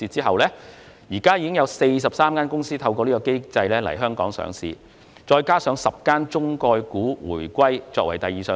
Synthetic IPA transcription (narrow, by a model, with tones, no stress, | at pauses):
iː˧t͡siː˥ɦɐ˨wlɛː˥ | jiː˨˩kaː˥jiː˧kɪ˥ŋjɐ˨˧wse˧js̬ɐ˨˩p̚saː˥mkaː˥nkʊ˥ŋsiː˥t̪ʰɐ˧wkɔː˧liː˥kɔ˧ke˥jt͡sɐ˧jlɛː˥lɐ̰˨˩jɦœː˥ŋkɔː˨˥ŋsœ̰ː˨˥ŋsḭː˧ | t͡sɔː˧jkaː˥sœː˨˧˥ŋsɐ˨p̚kaː˥nt͡sʊ˥ŋkɔː˧jkuː˨˥wṵː˨˩jkʷwɐ˥jt͡sɔː˧kwɐ˨˩jt̪ɐ˨jːiː˨˩sœː˨